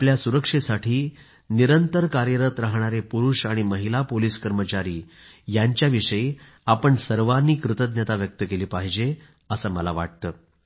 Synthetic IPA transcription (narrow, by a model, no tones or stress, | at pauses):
apljasuɾəkʂesaʈʰiː | niɾənt̪əɾkaɾjəɾət̪ɾaɦɽ̃aɾepuɾuːʂaɽ̃iməɦilapoliːskəɾmət͡ɕaɾiː | jaɲt͡ɕjaʋiʂəi | apəɳsəɾʋanːiːkɾut̪əd̪nət̪aʋjək̚t̪əkeliːpaɦid͡ʑe | əsəːməlaʋa̰ʈ̚t̪əː